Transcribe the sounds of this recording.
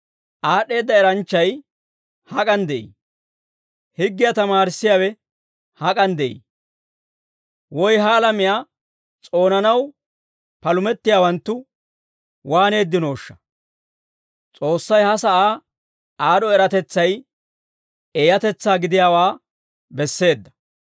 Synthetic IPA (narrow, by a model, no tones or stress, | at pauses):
ʔaːɗe̞ːd̪ːɐɛɾɐnt͡ʃːɐj | hɐkʼɐnd̪ɛʔḭ | hɪɡːɪjɐt̪ɐmaːɾɪsːɪjaːwɛ | hɐkʼɐnd̪ɛʔḭ | wɔjɦɐːlɐmɪjaː | t͡sʼo̞ːnɐnɐw | pɐlʊmɛt̪ːɪjaːwɐnt̪ːʊ | waːne̞ːd̪ːɪno̞ːʃːɐ̥ | t͡sʼo̞ːsːɐjhɐsɐʔaː | aːd̪ɔɛɾɐt̪ɛt͡sːɐj | ejɐt̪ɛt͡sːaːɡɪd̪ɪjaːwaː | bɛsːe̞ːd̪ːɐ̥